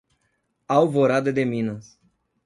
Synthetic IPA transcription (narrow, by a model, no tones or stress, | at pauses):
awvoɾad̪ed̪eminos